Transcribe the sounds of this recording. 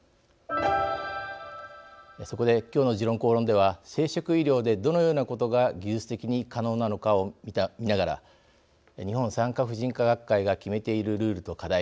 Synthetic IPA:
so̞ko̞d̪e̞kʲo̞ːno̞ʑiɾõ̞ŋko̞ːɾõ̞nd̪e̞β̞ase̞ːɕokɯ̟iɾʲo̞ːd̪e̞d̪o̞nojo̞ːnako̞t̪o̞ɡaɡʲɨːsɨ̥t̪e̞kʲiɲ̟ikano̞ːnano̞kaomʲimʲinaɡaɾa̰ | ɲ̟ihõ̞ñsãŋkaɸɯ̟ʑĩŋkaɡakkːaiɡakʲime̞t̪e̞iɾɯ̟ɾɯ̟ːɾɯ̟t̪o̞kad̪ai

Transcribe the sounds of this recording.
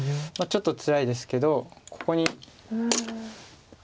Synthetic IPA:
mat͡ɕo̞t̪ːot͡sɨɾaid̪e̞sɨ̥ke̞d̪o̞kʰo̞̥ko̞ɲ̟i

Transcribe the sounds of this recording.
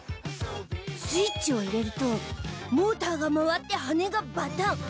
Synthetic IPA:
sɨit͡ɕioiɾe̞ɾɯ̟t̪omoːt̪aɡamaβat̪ːe̞hane̞ɡamat̪a

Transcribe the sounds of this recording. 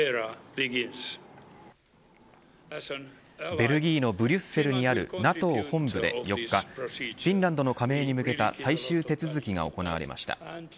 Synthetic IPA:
ɡnz | be̞ɾɯ̟ɡʲiːno̞bɯ̟ɾʲɨsse̞ɾɯ̟ɲ̟iaɾɯ̟̰nat̪o̞ːhõ̞mbɯ̟d̪e̞̰jo̞kːaɸʲĩnɾãnd̪o̞no̞kame̞ːɲ̟imɯ̟ke̞t̪asaiɕɨːt̪e̞t͡sɨzɨkʲiɡa̰o̞̰ko̞na̰βa̰ɾe̞̰mʔa̰ɕi̥t̪a̰

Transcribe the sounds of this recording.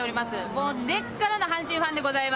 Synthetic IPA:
oɾimasɨmo̞ːne̞kːaɾano̞ɦãɕĩɰ̃ɸãnd̪e̞ɡo̞zaim

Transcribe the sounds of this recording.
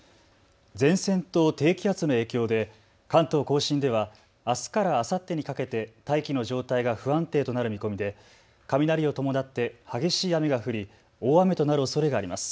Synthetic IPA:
d͡zẽ̞ɰ̃sẽ̞nt̪o̞ːt̪e̞ːkʲiat͡sɨno̞e̞ːkʲo̞ːd̪e̞ | kãnt̪o̞ːko̞ːɕĩnd̪e̞β̞aː | sɨ̥kaɾaːsat̪ːe̞ɲ̟ikake̞t̪e̞t̪aikʲino̞ʑo̞ːt̪aiɡaɸɯ̟ãnt̪e̞ːt̪o̞naɾɯ̟mʲiko̞mʲid̪e̞ | kamʲinaɾʲio̞t̪o̞mo̞nat̪ːe̞haɡe̞ɕiːame̞ɡaɸɯ̟ɾʲi | oːame̞t̪o̞naɾɯ̟o̞so̞ɾe̞ɡaːɾʲimasɨ̥

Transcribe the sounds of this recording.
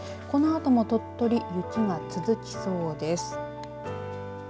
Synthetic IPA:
ko̞no̞at̪o̞mo̞t̪o̞t̪ːo̞ɾʲijɯt͡ɕiŋat͡sɨzɨkʲi̥so̞ːd̪e̞sɨ̥

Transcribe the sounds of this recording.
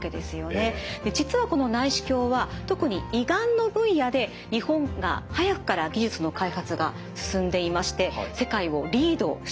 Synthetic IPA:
ke̞d̪e̞sɨjone̞d̪e̞d͡ʑit͡sɨβako̞no̞naiɕi̥kʲo̞ːβat̪o̞kɯ̟ɲ̟iiɡãnːo̞bɯ̟̃ɰjad̪e̞ | ɲ̟ihõ̞ŋɡa̰hajakɯ̟̥kaɾaɡʲiʑɨt͡sɨno̞kaihat͡sɨɡa̰ | sɨ̥sɨ̃nd̪e̞imaɕi̥t̪e̞se̞kaio̞ɾʲiːd̪o̞ːɕ

